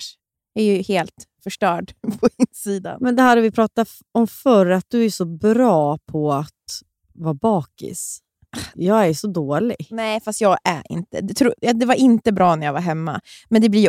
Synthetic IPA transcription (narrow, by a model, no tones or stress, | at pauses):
jɛɾjɵheːlt̪fœʂʈœːɖpʰɔɪnsiːd̪a̰nmɛnd̪ɛhad̪ːɔvɪpʰɾɑːt̪a | ɔmfœɾəat̪̚d̪ɵæʂɔbɾɑːpʰɔat̪ | vabɑːkɪ̰s | ajɑːɡæɾʂɔd̪oːlɪ̰ɡnɛːfast̪jɑːɡæ̰ɾʔɪ̰nt̪ə̰d̪ɛt̪ʰɾʊd̪ɛvaɾɪnt̪əbɾɑːnæɾjavaɾɦɛmːa̰mɛnd̪ɛblɪ